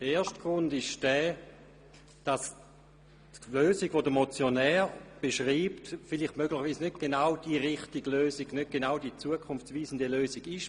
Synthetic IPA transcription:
d̥əeːɐʃtɡ̥ʁʊndɪʃd̥ɛː | d̥ɑs | tløːziɡʋodəmot͡sjonɛːʁb̥eʃʁiːptfɪliχtmøɡlɪχʋiːsnøt̚ɡ̥enawd̥iʁɪχtiɡløːsiɡ̥nøt̚ɡ̥enawdit͡suəkʰʊnft͡sviːsəndeløːziɡɪʃ

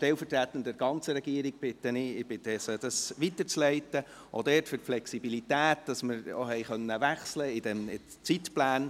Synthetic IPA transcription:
ʃtɛlfəɾtɾætənd̥ɛɾɡ̥ɑnt͡səɾɛɡiəɾɪɡ̥̚b̥ɪt̪ːənɪɪb̥ɪt̪əsəd̥ɑsʋitəɾt͡slɛɪtə | ʔod̪ɛːtfʏtflɛksibilitæːtd̥ɑsməɾo̰ɦɛɪχœnːəʋæχsləɪdɛmɪ | t͡sitplæːn

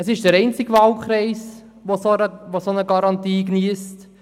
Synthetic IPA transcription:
əsɪʃdəɾɛɪnt͡sɪɡʋɑlkχɾɛɪs | ʋosonəʋosonəɡɑɾɑntiːɡniəst

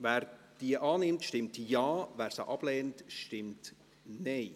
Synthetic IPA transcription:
vɛːɾ | d̥iəʔɑːnɪmtʃtɪmtjɑːvæːɾsə̰ʔɑb̥lɛːntʃtɪmt | nɛɪ

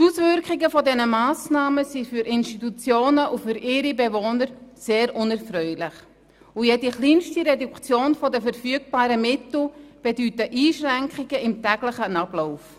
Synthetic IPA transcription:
tusvʏɾkχɪɡəfɔdɛnəmaːsnaːməsifyɾʔɪnʃtitut͡sjoːnəʔufyɾɪɾibevoːnəɾseːɾʔʊnɛɾfrœʏlɪχ | ujɛdiχliːnʃtiɾɛdukt͡sjoːnfɔdəfəɾfyəɡ̚b̥aːɾəmɪtl̩b̥edytəʔiːʃrɛŋkχiɡəɪmtɛɡlɪχənab̥loʊf

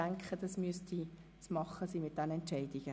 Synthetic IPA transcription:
æŋkχədɐsmyəsti | smɑχəsimɪt̚d̥ɛnɛ̃ntʃɛɪdiɡə

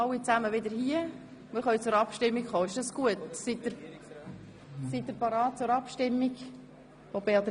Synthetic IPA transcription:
ɑlwːit͡sæməʋɪd̪əɾhiə | mɪɾχœɥt͡sʊɾɑpʃtɪmːikχoːɪʃdɑsɡ̥uətsit̚d̥əɾ | sit̚dəɾpɑɾɑːt̚t͡sʊɾɑpʃtɪmːiɡ | fobeɑt̪

